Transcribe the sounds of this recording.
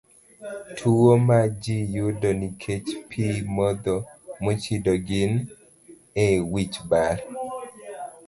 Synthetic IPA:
tʰuomad͡ʒijudonikʰet͡ʃpʰimɔd̪ɔmot͡ʃidoɡɪn | ɛwit͡ʃbaɾ

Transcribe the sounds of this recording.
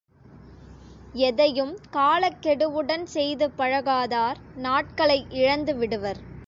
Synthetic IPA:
ɛðɐjɯmkaːɭɐkːɛɽɯʋɯɽɐnsɛjðɯpːɐɻɐɣaːðaːɾ | naːʈ̚kɐɭɐɪʔɪɻɐnd̪ɯʋɪɽɯʋɐɾ

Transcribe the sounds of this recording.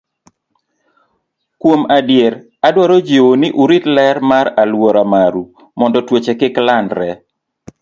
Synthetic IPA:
kwomadjeɾ | adwaɾod͡ʒewonɪʔuɾitlɛɾmaɾalwɔɾamaɾu | mɔndɔtwot͡ʃekɪklandɾɛ

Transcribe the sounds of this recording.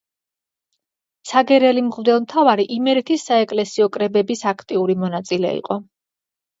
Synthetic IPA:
saɡɛɾɛlimʁvd̪ɛlˠmt̪ʰavaɾiʔimɛɾit̪ʰisːaɛkʼlɛsiɔkʼɾɛbɛbisakʰt̪ʼiuɾimɔnat̪sʼilɛ̰ḭqʼɔ

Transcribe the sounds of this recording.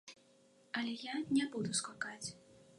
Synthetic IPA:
ɐlʲɛjanʲɛbud̪uskakat͡sʲ

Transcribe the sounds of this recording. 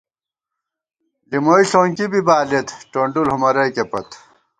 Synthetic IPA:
limoːiɬoːŋkibibaːlet̪ʈoːɳɖulhumɐɾɐjkepɐt̪

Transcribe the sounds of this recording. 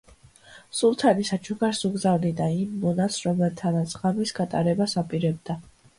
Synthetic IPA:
sulˠt̪ʰanisat͡ʃʰukʰaɾsuɡzavnid̪aimːɔnasɾɔmɛlˠt̪ʰanat̪sʰʁamisɡat̪ʼaɾɛbasapʼiɾɛb̚d̪a

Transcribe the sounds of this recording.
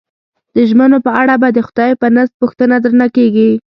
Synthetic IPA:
d̪̥əʒmənopəaɽabad̪əxʊd̪ɑjpənazd̪̚puxt̪ənad̪ɾənakeɡi

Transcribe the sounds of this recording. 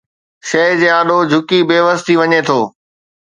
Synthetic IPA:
ʃɐɦd͡ʑeːaːɗod͡ʑʱʊkibeːʋəst̪ʰiʋɐɲet̪ʰoː

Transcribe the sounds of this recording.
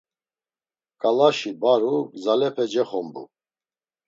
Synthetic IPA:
kʼalaʃibaɾuzalɛpʰɛd͡ʒɛχɔmbṵ

